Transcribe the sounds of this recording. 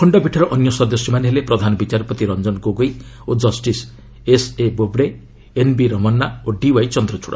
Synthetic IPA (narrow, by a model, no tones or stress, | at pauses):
kʰɔɳɖɔbʱiʈʰɔɾɔʔɔnjɔsɔd̪ɔsjɔmaneɦelepɾɔd̪ʱanɔbit͡ʃaɾpɔt̪iɾɔnd͡ʒɔnɡoɡoj | od͡ʒɔsʈis | esebobɽe | enbiɾɔmɔnːaoɖiwajt͡ʃɔnd̪ɾɔt͡ʃʰuɽa̰